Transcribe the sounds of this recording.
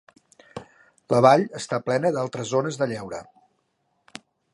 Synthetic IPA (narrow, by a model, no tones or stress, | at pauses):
ləβaʎəst̪aplɛnəðalˠt̪ɾəzonəzðəʎɛwɾə̰